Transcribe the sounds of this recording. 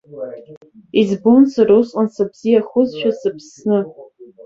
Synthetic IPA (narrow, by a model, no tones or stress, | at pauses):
izbʊnsaɾusʼqʼansabz̥ijaχʊzʃᶣasɨpʰsnɨ